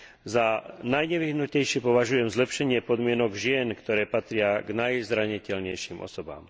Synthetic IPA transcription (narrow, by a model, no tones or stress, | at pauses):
zanajɲɛʋiɦnucɛjʃɪɛpɔʋaʒujɛmzlɛpʃɛɲɪɛpɔd̪mɪɛnɔɡʒɪɛnkt̪ɔɾɛːpat̪ɾɪaɡnajzɾaɲicɛlɲɛjʃimʔɔ̰sɔba̰ːm